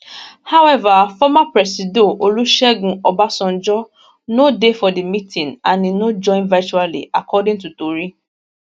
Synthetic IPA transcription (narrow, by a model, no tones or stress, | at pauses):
hawɛvafɔmapɾɛsidoʔoluʃɛɡũɔbasɔ̃n̩d͡ʒɔ | nodefɔdimĩtĩnanĩnod͡ʒɔ̃ɪ̃nvat͡ʃualḭakɔdĩŋtutoɾi